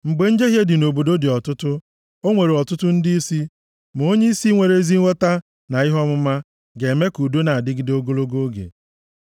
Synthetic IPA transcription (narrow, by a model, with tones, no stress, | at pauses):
ŋ͡m̩˨ɡ͡be˨n̩˦d͡ʒe˦ɦje˦dɪ˨no˨bo˨do˦dɪ˨ɔ˨tʊ˦tʊ˦ | o˦ŋʷe˨ɾe˨ɔ˨tʊ˦tʊ˦n̩˦di˦i˦si˦ | m˨o˦ɲe˦i˦si˦ŋʷe˨ɾe˨˦zi˦ŋʷɔ˦ta˦ | na˨ɪ˦ɦɔ˦mʊ˦ma˦ | ɡe˨me˦ku˨do˦na˨a˨dɪ˦ɡɪ˦do˦ɡo˦lo˦ɡo˦ɡḛ˨